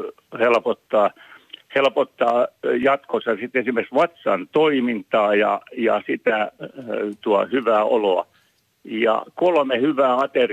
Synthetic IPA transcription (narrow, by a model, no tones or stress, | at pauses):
helpot̪ːɑːhelpot̪ːɑːjɑt̪kosɑsit̪esimeksʋɑt̪sɑnt̪oimint̪ɑːjɑ̰jɑ̰sit̪æ | t̪uɑhyʋæːʔoloɑ̰ | jɑ̰kolmehyʋæːɑt̪er